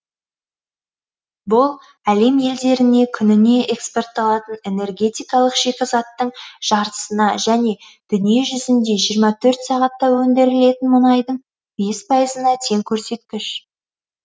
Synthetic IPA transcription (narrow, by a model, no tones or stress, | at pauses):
bʊlˠ | æle̞mje̞ld̪e̞ɾɪne̞kʲʰʏnɪne̞ʔekspo̞rt̪ːɑlˠɑt̪əne̞ne̞rɡʲe̞t̪ijkɑlˠəqʒekʲɪzɑt̪ːəɴʒ̥ɑɾt̪ə̥sənɑʒæne̞ | d̪̥ʏnije̞ʒʏzɪnd̪e̞ʒijəɾmɑt̪ʰɵɾt̪sɑʁɑt̪ːɑwɵnd̪e̞ɾɪle̞t̪ɪnmʊnɑjd̪əɴ | be̞spʰɑjəzənɑt̪ʰe̞ŋkʲʰɵɾse̞t̪̚kʲɪʃ